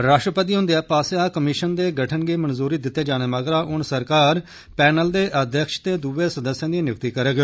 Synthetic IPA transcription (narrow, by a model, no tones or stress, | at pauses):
ɾaːʃʈɾəpət̪̬iːɦʊ̃nd̪eɛːpaːsaːkəmɪʃənd̪eːɡəʈʰənɡeːmənzuːɾiːd̪ɪt̪ːeːd͡ʒaːneːmaːɡɾaːʔʊnsəɾkaːɾ | pɛːnəld̪eːʔəd̪ʱjəkʃt̪eːd̪uʋeːsəd̪əsːjãːd̪inɪkt̪iːkəɾeːɡjo